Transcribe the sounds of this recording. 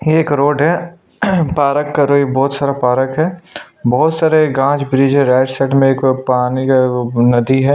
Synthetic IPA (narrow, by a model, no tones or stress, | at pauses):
jeeːkɾoːɖɦɛ | paːɾəkːaɾoːibɔːt̪saːɾapaːɾəkɦɛː | bɔɦʊt̪saːɾeɡãːt͡ʃbɾiːd͡ʒɦẽɾɛːʈsəʈmẽeːkpaːniknɐd̪iɦɛː